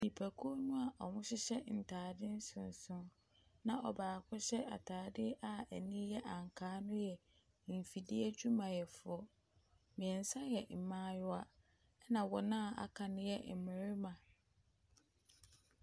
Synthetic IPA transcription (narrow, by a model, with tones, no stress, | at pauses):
nĩ˨pʰæ˨kʰu˦o˦nʊ̃˦a˨ʔɔ˨hʊ̃˦ɕɪ˦ɕɛ˦n̩˨tʰaː˨dɪ˦n̩˦sʊ̃˨n˨sʊ̃˦n | nã˦ʔɔ˨baː˨kʰɔ˦ɕɛ˦ʔa˨tʰaː˨dɪ˦ʔa˦æ˨nĩ˦jɛ˦ʔa˨ŋ˨kʰaː˨˦nʊ̃˦jɛ˨ | m̩˨fi˨di˦ɛ˦d͡ʑu˦mã˨jɛ˨fʊ˨˦ɔ˦ | mĩ˨ɛ̃˨n˨sa˦jɛ˨m̩˨mãː˦jʊ˦a˨˦ | nã˨wɔ˨nã˦a˨a̰˨kʰa˨nʊ̃˦jɛ˦m̩˨mɪ̃˨ɾɪ˦mã˨